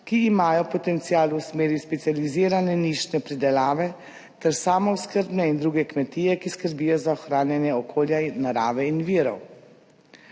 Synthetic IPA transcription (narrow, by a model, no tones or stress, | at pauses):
kiːmaːjɔpɔt̪ɛnt̪sijaːlusmeːɾjispɛt̪sializiːɾanɛniʃnɛpɾid̪ɛlaːʋɛ | t̪ɛɾsaːmɔwskəɾbnɛind̪ɾuːɡɛkmɛt̪iːjɛkiskəɾbiːjɔzaɔxɾaːnjanjɛɔkʰoːljaːaɾaːʋɛinʋiːɾɔw